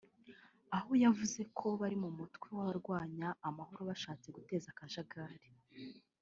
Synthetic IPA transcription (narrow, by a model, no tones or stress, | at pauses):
aho̞javuze̞kʰo̞βaɾimumutkwiwaβaɾɡwaːɲaːmaho̞ɾo̞βaʃaːt͡se̞ɡute̞ːzakaʒaɡaːɾe